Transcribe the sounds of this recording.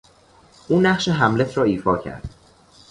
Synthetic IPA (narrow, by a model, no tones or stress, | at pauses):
ʔuːnæχʃeɦæmlet̪ʰɾɒːiːfɒːcʰæ̰ɾd̪̥